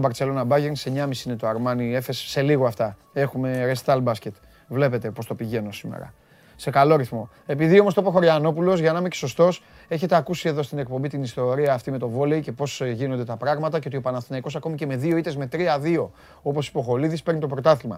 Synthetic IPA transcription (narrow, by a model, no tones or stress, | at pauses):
bɐɾt͡se̞lo̞nɐbɐʝense̞ɲɐmisinet̪oɐɾmɐnie̞fesse̞liɣoɐft̪ɐ | e̞xume̞ɾest̪ɐlbɐsce̞t̪ | vle̞pe̞t̪e̞po̞st̪o̞piʝe̞no̞simḛɾɐ̰ | se̞kalo̞ɾiθmo̞ | e̞piðio̞most̪op̬oxo̞ɾʝɐno̞pulo̞zʝɐnɐmeceso̞st̪o̞s | e̞çe̞t̪e̞ɐkusie̞ðo̞st̪inek̚po̞mbit̪inist̪o̞ɾiɐːft̪ime̞t̪o̞vo̞leice̞po̞sʝino̞nd̪e̞t̪ɐpɾɐɣmɐt̪ɐceot̪iopɐnɐfst̪inɐiko̞sɐko̞mice̞me̞ðio̞it̪ezmet̪ɾiɐðio̞ | o̞po̞si̥po̞xo̞liðispe̞ɾnit̪o̞pɾo̞t̪ɐθiɣmɐ̰